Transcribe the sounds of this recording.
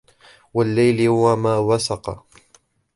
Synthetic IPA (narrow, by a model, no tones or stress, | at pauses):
walːajlɪhʊwamaːwasɑqɑ̰